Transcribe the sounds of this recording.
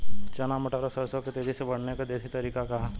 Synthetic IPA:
t͡ʃɐnamɐʈaːɾosɐɾsoket̪eːd͡ʒ̪ʱisebɐɽ̤nekad̪eːsit̪ɐɾiːkakaɦ

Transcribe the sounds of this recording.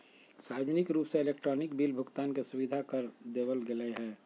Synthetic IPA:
saːd͡ʒnɪkɾuːpseelekʈɾɔːnɪkbiːlbʱʊɡt̪aːnkesʊʋid̪ʱakəɾd̪eːbəlɡeleɦɛː

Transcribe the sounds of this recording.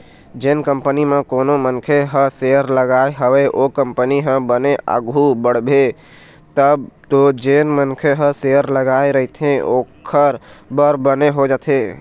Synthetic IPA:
d͡ʒenkəmpənimẽkonomənkʰeɦəseəɾləɡaeɦəʋeʔokəmpəniɦə̃bəneə̰ɡʱubəɽ̤be | t̪əbt̪od͡ʒenmənkʰeɦə̃seəɾləɡaeɾəɦit̪ʰẽo̰kʰəɾbəɾbəneɦod͡ʒat̪ʰe

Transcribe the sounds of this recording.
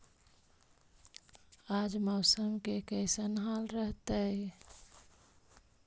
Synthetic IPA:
ad͡ʒməʊsəmkekəɪsənɦalɾəɦt̪əj

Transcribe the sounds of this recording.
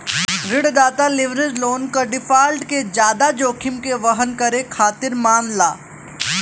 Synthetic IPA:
ɾɪɽd̪aːt̪alɪʋɾɪzloːnkaɖɪfʰaːlʈked͡ʒjaːd̪ad͡ʒoːkʰɪmkeʋɐɦənkɐɾẽkʰaːt̪ɪɾmaːmlaː

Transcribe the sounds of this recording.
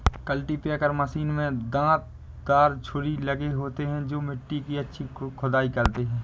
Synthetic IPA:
kəlʈipakəɾməsiːnmẽd̪ãːt̪̚ | d̪aːɾt͡ʃʰʊɾilɐɡeɦoːt̪eɦɛ̃d͡ʒoːmɪʈːikiɐtːʃʰikʰʊd̪aːikɐɾt̪eɦɛ̃ː

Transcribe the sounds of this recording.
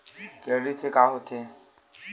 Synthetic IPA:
kɛɾisekaːɦot̪ʰe

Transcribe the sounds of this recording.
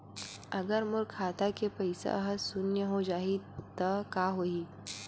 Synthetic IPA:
ɐɡəɾmʊɾkʰaːt̪akepɐɪsḛɐɦəsʊnjəɦod͡ʒaːit̪ɐkaːɦoːiː

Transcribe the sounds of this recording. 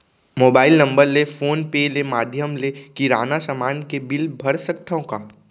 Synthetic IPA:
moːbaːɪlnɐ̃mbəɾlefʰoːnpelemaːd̪ʱjəmlekiɾaːnasəmaːnkebɪlbʱɐɽsəkt̪ʰõkaː

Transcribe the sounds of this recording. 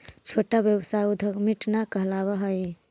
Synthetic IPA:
t͡ʃʰoʈabjəbsaud̪ʱəɡmiʈnakəɦlaβəɦəj

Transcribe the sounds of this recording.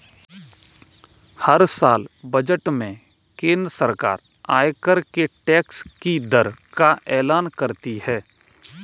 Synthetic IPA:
hɐɾsaːlbəd͡ʒəʈmẽ | kẽːnd̪ɾəsəɾka̰ːɾ | aːjkəɾkeʈɛːkskid̪əɾkaʔɛːlaːnkəɾt̪ihɛː

